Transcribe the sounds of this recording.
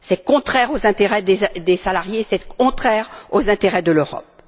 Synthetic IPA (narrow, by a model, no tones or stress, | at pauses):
sɛkɔ̃t̪χɛʁozɛ̃t̪eʁɛd̪ed̪esalaʁjesɛkɔ̃t̪χɛːʁozɛ̃t̪eʁɛd̪əløʁɔ̰p̚